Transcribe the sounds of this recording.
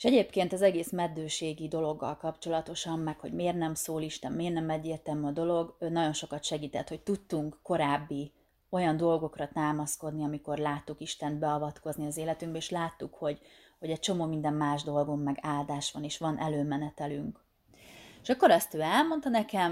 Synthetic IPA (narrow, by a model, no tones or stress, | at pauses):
e̥ʃɛɟeːpkeːnt̪ɒzɛɡeːsmɛd̪ːøːʃeːɡid̪o̞lo̞ɡːɒ̰lkɒpt͡ʃo̞lɒt̪o̞ʃɒmːɛkho̞̰ɟmeːrnɛmsoːliʃt̪ɛmmeːrnɛmɛɟːeːrt̪ɛmyɒd̪o̞lo̞ɡnɒɟo̞nʃo̞kɒt̪ʃɛɡiːt̪ɛt̪ho̞c̚t̪ut̪ːuŋkːo̞ɾaːbːi | o̞jɒnd̪o̞lɡo̞krɒt̪aːmɒsko̞d̪niɒmiko̞rlaːt̪ːukiʃt̪ɛnt̪̚bɛɒvɒt̪ko̞zniɒzeːlɛt̪yŋɡbɛeːʃlaːt̪ːukho̞ɟ | ho̞ɟɛc̚t͡ʃo̞moːmind̪ɛmːaːʒd̪o̞lɡomːɛɡaːld̪aːʃʋɒneːʃʋɒnʔɛ̰løːmɛnɛt̪ɛlyŋk | eʃɒkːo̞ɾɒst̪øːɛlmo̞nt̪ɒnɛkɛm